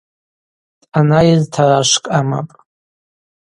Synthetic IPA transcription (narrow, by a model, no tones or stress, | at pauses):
tʼanajɪztʰaɾaʂkʼama̰pʼ